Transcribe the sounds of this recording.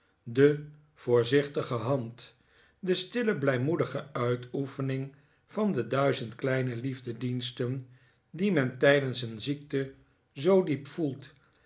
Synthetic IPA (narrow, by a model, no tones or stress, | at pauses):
də | v̥ʊːɹzɪχtəχəɦɑnt | dəstɪləblɛjmudəχəœɥtufənɪŋ | v̥ɑndədœɥzəntklɛjnəlivdədinstən | dimɛntɛjdənsənzik̚tə | zowdipfulˠt